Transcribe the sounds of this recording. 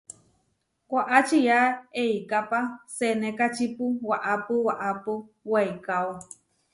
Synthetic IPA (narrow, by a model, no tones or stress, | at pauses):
kʷaʔat͡ʃijaejkapasenekat͡ʃipuwaʔapuwaʔapuwajkawa